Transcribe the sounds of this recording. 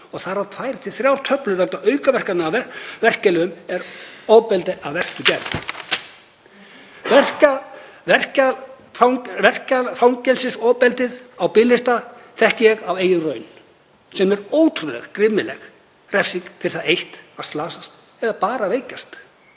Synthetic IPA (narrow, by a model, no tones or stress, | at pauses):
ɔɣθaɾaðt̪ʰvaːjɾt̪ʰɪ̥θɾjawɾ̥t̪ʰœplʏɾvɛlt̪aœːɥkavɛr̥kannɪavɛvɛr̥cɛlɪʏmɛɾɔːpɛlt̪ɪʔaðvɛr̥cɪcɛɾθ | vɛr̥ca | ɛr̥c | vɛr̥cafawŋcɛlsɪsɔːpɛlt̪ɪðawpɪlːɪst̪aθɛhcɪɛɣaveːjɪnrœːɥn | sɛmɛɾoːwt̪ʰɾʏðlɛ̰ɣkɾɪmːɪlɛ̰x | rɛfsiŋkt̪ʰɪɾɪ̥θaðejht̪ast̪laːsast̪ | ɛðapaːɾaveːjcast̪